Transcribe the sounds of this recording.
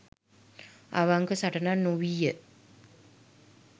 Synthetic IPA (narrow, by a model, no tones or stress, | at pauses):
a̰ʋaŋkəsaʈənanuwijə